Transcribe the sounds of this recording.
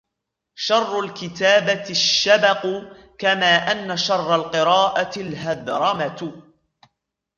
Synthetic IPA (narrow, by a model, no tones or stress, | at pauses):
ʃɑrˤːʊlkɪt̪aːbaʃːabɑq | kamaːʔanːaʃɑrˤːɑlqɨɾɑːʔaɪlɦaðɾˤɑmat̪